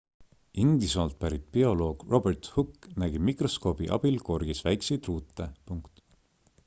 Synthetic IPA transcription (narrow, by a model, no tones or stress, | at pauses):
ind̪̥isɑlt̪̚pæɾit̪̚ˑpio̞lo̞ːɡ̥ro̞bert̪hukːnæɡ̥imikrosko̞ːb̥iʔɑ̰b̥ilko̞rɡ̥isvæjksejt̪ruːt̪ːˑepuŋkt̪